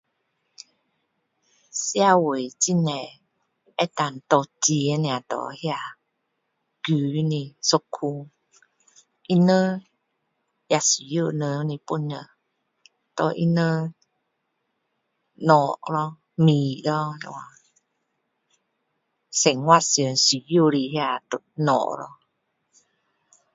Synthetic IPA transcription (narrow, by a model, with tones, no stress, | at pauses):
sja˦˧˨we˨t͡ɕi˦nɛ˨ | ɛ˦t̪a˨n˨t̪ɔ˧˨ti˨˦nĩ˧˨a˨t̪ɔ̰˨hja˧ | ɡ̥i˨i˦nĩ˧so˧˦kʰu˧ | ʔi˦nə̃˦ | ja˧˨si˨jo˦˧˨nə˧˦nĩ˧˨pu˦nə˧˨ | t̪ɔ̰˧ʔḭ˦˧nə˧ | nɔ˨ʔɾɔ˧ | mi˨ɾɔ˦nɛ̰˧˨wa˧ | sɛ˨ŋwa˦˧sə˨nsi˨jo˦˨ɾi˧hja˧˨t̪o˨nɔ̰˨ʔɾɔ̰˦